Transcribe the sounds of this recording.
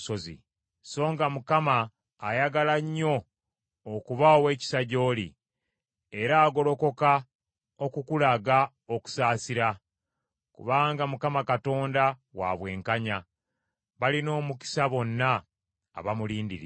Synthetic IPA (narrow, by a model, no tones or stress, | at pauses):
ozḭ | so̞ːŋɡamukamaː | jaɡalaɲːo̞ː | kuβaowe̞ːci̥saɟo̞ːlḭ | e̞ɾaːɡo̞lo̞ko̞ka | okukulaɡa | oku̥saːsiɾa | kṵβaːŋɡamukamakato̞ːndawa̰βwe̞ːŋkaɲa | βalino̞ːmuki̥saβo̞nːa̰ː | βamuliːndiɾḭ